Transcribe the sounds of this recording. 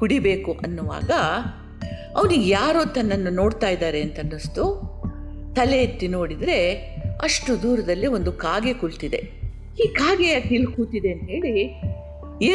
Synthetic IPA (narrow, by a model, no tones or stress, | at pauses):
kuɽibe̞ːkuʔɐnːuʋa̰ːɡɐ | ɐʋnuɡjaːɾoːt̪ɐnːɐnːuno̞ːɽt̪aːjid̪aːɾe̞ɐnt̪ɐnːust̪u | t̪ɐlet̪ːino̞ːɽid̪ɾe̞ɐʂʈud̪uːɾɐd̪ɐlːio̞nd̪ukaːɡekuɭt̪id̪e̞ | iːkaːɡejaːkilkuːt̪id̪e̞ɐnt̪ɦe̞ːɭi | eː